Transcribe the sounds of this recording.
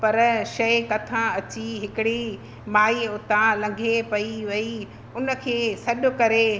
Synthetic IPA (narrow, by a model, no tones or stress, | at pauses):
pɐɾʃɐikɐt̪ʰãɐt͡ɕiɦɪkɪɽi | maːiʊt̪ãlɐ̃ŋɡʱepɐiʋɐi | ʊnə̆kʰeːsɐɗʊ̆kɐɾe